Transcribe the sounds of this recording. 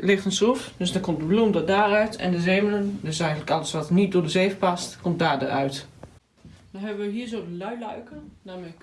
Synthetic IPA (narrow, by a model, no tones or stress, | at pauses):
lɪxtənsufdøsdɔkɔmt̚dəblumdədaːrœɥtʰɛ̰ndəzeːmələndøsɛjɣəntləkɑləsʋɑtnit̚dodəzeːfpɑstkɔmt̚daːdə̰rœɥt | dɔnɦɛbəʋəɦiːɹzoːdəlœɥlœɥkənamək